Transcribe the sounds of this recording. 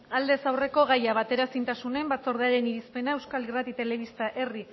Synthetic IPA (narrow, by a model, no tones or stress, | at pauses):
ald̪e̞sawre̞ko̞ɣajaβ̞at̪e̞ɾasint̪asune̞mbat͡so̞ɾð̞eaɾe̞niɾispe̞nae̞wskalirat̪it̪e̞le̞βist̪aʔe̞ri